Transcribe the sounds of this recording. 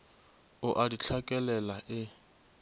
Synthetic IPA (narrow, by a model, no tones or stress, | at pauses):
ʊʔadit͡ɬʰakʼɛlɛlaʔɪ